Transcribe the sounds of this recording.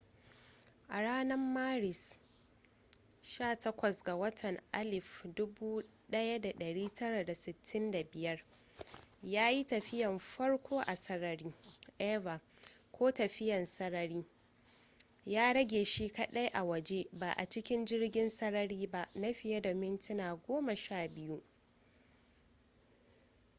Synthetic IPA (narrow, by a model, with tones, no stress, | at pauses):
ʔa˨ɽaː˦nɐ˦mːaː˦ɾɪ˨s | ʃaː˦˨tɐ˦kʷɐ˨sɡa˨wɐ˦tʰɐ˨ŋʔa˦lɪ˨fdʊ˦buː˦ɗɐ˦ja˦da˨ɗɐ˨ɽiː˦tɐ˦ɽa˨da˨sɪ˨tʰːɪ˦nda˨bɪ˨jɐ˦r | jaː˦ji˦tɐ˨ɸɪ˦jɐ˨mɸɐ˦ɽkʷʰoː˦ʔa˨sɐ˦ɾɐ˨ɾiː˦ʔɛː˦βa˨ | kʷoː˦tɐ˨ɸɪ˦jɐ˨nsɐ˦ɾɐ˦ɾiː˦ | jaː˦ɽɐ˦ɡʲeː˨ʃi˦kɐ˦ɗɐ˦jʔa˨wɐ˨d͡ʒe˦ba˨ʔa̰˨t͡ʃɪ˦kʲɪ˦nd͡ʒɪ˦rɡʲɪ˦nsɐ˦ɽɐ˦ɽiː˦ba˦ʔna˦ɸɪ˨ja˦da˨mɪ˦ntɪ˦naː˨ɡʷoː˦mɐ˨ʃaː˦bɪ˦ju˦ʔ